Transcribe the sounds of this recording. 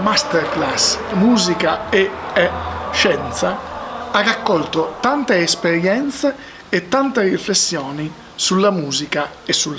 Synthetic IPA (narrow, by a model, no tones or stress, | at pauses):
mast̪ɛɾklasmuːzikaeɛʃɛnt̪saarakːɔlt̪ot̪ant̪eːspeɾjɛnt̪se | ɛt̪ːant̪eriflesːjɔːni | sulːamuːzika | ɛsːul